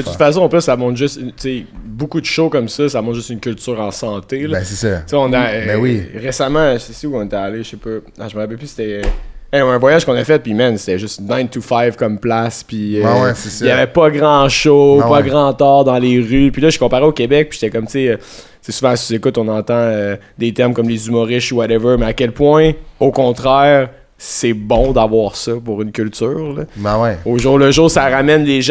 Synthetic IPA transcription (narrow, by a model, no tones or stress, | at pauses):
d̪ət̪ut̪fasɔ̃ːpløsːamɔ̃t̪ʒʏsnt͡sebukud̪əʃokɔmsʌsamɔ̃t̪ʒʏst̪ynkʲylt̪yːʁɑ̃sɑ̃t̪elʌɛsesʌt͡seɔ̃naɛwiʁesamãʒəsesiuɔ̃net̪ɛaleʃʃepɔ | aʒməʁapɛlpyse̥t̪ɛɛɛ̃vwajaʒ̥kɔ̃nɐfɛt̪̚pimɛnse̥t̪ɛʒʏsnãj̃nt̪ufajvkɔmplaspiøɛsesjavɛpɔɡʁɑ̃ʃopɔɡʁɑ̃t̪ɑːʁd̪ɑ̃leʁypilʌʒy̥kɔ̃paʁeokʲebɛk̚pi̥ʒ̥t̪ɛkʌmt͡seø | sesuvãszekʊt̪ɔ̃nɑ̃t̪ɑ̃ø | d̪et̪ɛʁmkɔmlezymɔʁɪʃuwaɾɛvə˞meakʲɛlpwɛ̃okɔ̃t̪χɛːʁ | sɛbɔ̃d̪avwaːʁsʌpuʁynkʲylt̪yːʁləwɛoːʒuːʁləʒuːʁsaʁamɛnleʒ